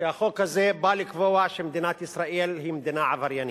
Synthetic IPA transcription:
eaχokhazebalikvoaʃemd̪inat̪isɾaʔelɦimed̪inaʕavaɾjani

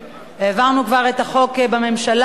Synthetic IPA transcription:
eːvaʁnukvaʁe̞taχo̞kbame̞mʃal

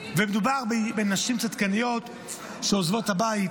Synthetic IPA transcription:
vɛmed̪ubaʁbbɛnːaʃimt͡sat̪kanijot̪ | ʃɛɔzvotabait

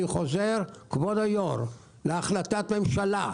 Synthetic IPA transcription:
iχo̞zeʁkvod̪ajoɾ | leaχlat̪at̪me̞mʃala

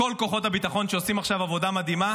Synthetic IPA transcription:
o̞lko̞χo̞tabit̪aχo̞nʃeosimaχʃavavo̞damad̪ima

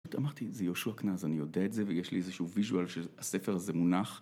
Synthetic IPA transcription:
ut̪amaʁt̪izejoʃuaknazanijodeaetze̞vejeʃliezeʃuuviʒualʃease̞feʁazemunaχ

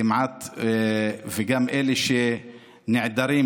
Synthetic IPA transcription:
ɪmʕat̪ | vɪɡamːʔeleʃe | nɪʕd̪aɾiː

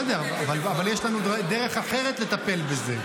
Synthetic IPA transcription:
d̪eaavalavaljeʃlanud̪ed̪eʁe̞χaχe̞ʁet̪le̞t̪ape̞lbeze̞

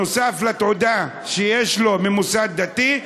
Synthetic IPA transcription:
osaflat̪ʕod̪a | ʃejeʃlomemusad̪̚ːat̪i

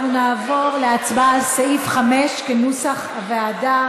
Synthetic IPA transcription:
nunaːvo̞ʁleat͡sbazsaifχameʃkenusaχaveada

